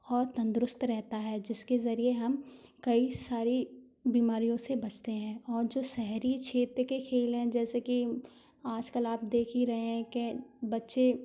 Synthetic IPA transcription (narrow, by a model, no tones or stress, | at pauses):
ɔːɾt̪ɐ̃nd̪ɾʊst̪ɾɛɦt̪aɦɛːd͡ʒɪskezɐɾieɦɐmkɐisaːɾi | biːmaːɾijõsebɐt͡ʃʰt̪eɦɛ̃ːɔːɾd͡ʒoːsɛɦɾit͡ʃʰeːt̪ɾkekʰeːlɦɛ̃d͡ʒɛːseki | aːd͡ʒkəlaːp̚d̪eːkʰiɾɐɦeɦɛ̃kebɐtːʃe